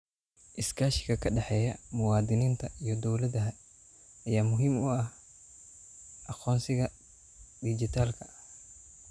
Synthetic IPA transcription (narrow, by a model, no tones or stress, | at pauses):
ʔɪskʰaːʃɪ̥kɐkʰɐɖɐħɛːjɐmʊwɑːd̪ɪniːnt̪ʰɐʔijɔd̪ɔwlɐd̪ɐɦɐ | ɐjaːmʊɦimʊɐh | ʔɐqɔːnsɪɣɐ | d̪id͡ʒit̪ʰaːlkʰɐ